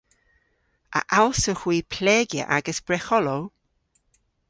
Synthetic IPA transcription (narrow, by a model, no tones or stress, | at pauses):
ə̰ʔalsoxwiːpʰlɛːɡjə̰ʔaɡəsb̥ɹɛxɔlow